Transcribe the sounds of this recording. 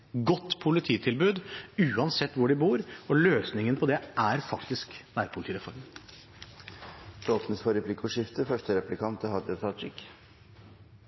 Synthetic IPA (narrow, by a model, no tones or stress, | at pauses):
ɡɔt̪ːpʰʊlɪt̪ʰiːt̪ʰɪlbʉːd̪ʉːɑnsɛt̪ːʋʊɖɪbuːɾɔløːsnɪŋənpʰɔd̪ɛʔæɾfɑkt̪ɪsknæːɾpʰʊlt̪iːɾɛfɔɾmə | loːt̪ənəsfɔɾɛpʰlikːɔʂɪft̪əfœʂʈəɾɛplɪkʰɑnt̪əhɑd̪ət̪ʰɑt͡ʃɪk